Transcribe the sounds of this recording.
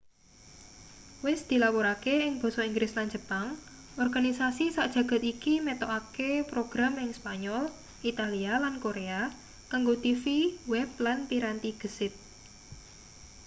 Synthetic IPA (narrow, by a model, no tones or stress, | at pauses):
wɪsd̪̥i̤lapoɾakeɪŋb̥ɔ̤sɔiŋɡɾɪsland͡ʒə̤paŋ | ʔɔrɡ̥anisasisaʔd̥ʒ̥ä̤ɡ̥a̤t̪ikimɛt̪ɔʔakepɾoɡ̥ɾamɪŋspaɲɔl | it̪alialankoɾea | kaŋɡot̪ifiwɛp̚lanpiɾant̪iɡ̥ə̤sɪt̪̚